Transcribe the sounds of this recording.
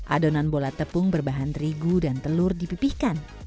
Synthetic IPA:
ʔadonanbolat̪əpʊŋbərbaɦant̪ɾiɡudant̪əlʊrdipipihkan

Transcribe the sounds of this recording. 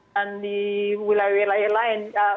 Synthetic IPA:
andiwilawɛlajɛlaɛna

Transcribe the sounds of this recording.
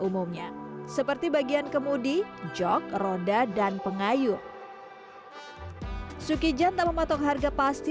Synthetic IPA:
umumɲasəpərt̪ibaɡiankəmudid͡ʒɔk̚rodadanpəŋajʊr | sukid͡ʒant̪aməmat̪ɔkɦarɡapast̪

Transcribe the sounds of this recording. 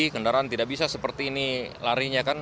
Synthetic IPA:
ikəndaɾaant̪idaʔ̚bisasəpərt̪iːnilaɾiɲakan

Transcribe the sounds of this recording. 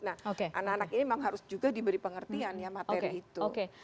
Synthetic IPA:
nahokeʔanakanakiniemaŋɦaɾʊsd͡ʒuɡadibəɾipəŋərt̪ianjamat̪ekɾiːt̪uoke

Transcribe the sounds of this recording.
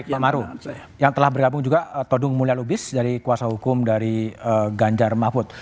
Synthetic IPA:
amaɾu | jaŋt̪əlahbərɡabʊŋd͡ʒuɡat̪odʊŋmulialubɪsdaɾikuasaɦukʊmdaɾiəɡaɲd͡ʒarmafʊt̪̚

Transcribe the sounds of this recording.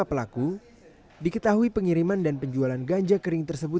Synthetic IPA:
apəlaku | dikət̪aɦuipəŋiɾimandanpəɲd͡ʒualanɡaɲd͡ʒakəɾɪŋt̪ərsəbʊ

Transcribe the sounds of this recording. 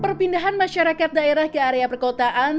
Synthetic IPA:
pərpindaɦanmaʃaɾakat̪̚daeɾahkəaɾeapərkot̪aʔan

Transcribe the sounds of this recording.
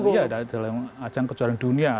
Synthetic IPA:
jadadalamat͡ʃaŋkət͡ʃuaɾaŋdunia

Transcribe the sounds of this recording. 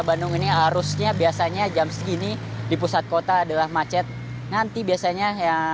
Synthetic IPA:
bandʊŋiniɦaɾʊsɲabiasaɲad͡ʒamskini | dipusat̪̚kot̪aːdalahmat͡ʃɛt̪̚ | nant̪ibiasaɲaja

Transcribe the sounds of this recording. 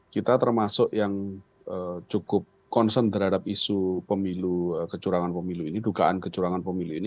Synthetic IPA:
kit̪at̪ərmasʊʔjaŋ | ʔət͡ʃukʊp̚ | kɔnsənt̪əɾɦaɽap̚isupəmiluəkət͡ʃuɾaŋanpəmiluinidukaʔankət͡ʃuɾaŋanpəmiluini

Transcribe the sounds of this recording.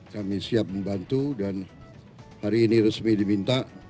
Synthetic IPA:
kamisiap̚məmbant̪udan | haɾiːniɾəsmidimint̪aʔ

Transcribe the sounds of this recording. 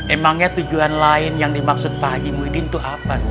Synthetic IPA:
emaŋɲat̪ud͡ʒuanlaɪnjaŋdimaksʊt̪̚paɡimwidɪnt̪uʔapas

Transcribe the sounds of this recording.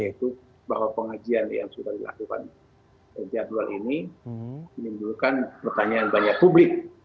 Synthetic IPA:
jait̪u | bahwapəŋad͡ʒianja̰ŋsudahdila̰kuka̰n | kət̪iadualini | mənimbulkanpərt̪aɲaːnbaɲak̚publɪk̚

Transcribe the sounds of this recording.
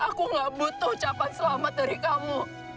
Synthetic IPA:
ʔakuŋɡaʔbut̪ʊht͡ʃapansəlamət̪̚daɾikamu

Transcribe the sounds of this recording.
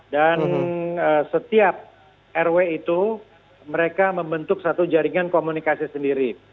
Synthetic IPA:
danəsət̪iap̚ | ʔɛrweit̪u | məɾekaməmbənt̪ʊksat̪ud͡ʒaɾiŋankomunikasisəndiɾi

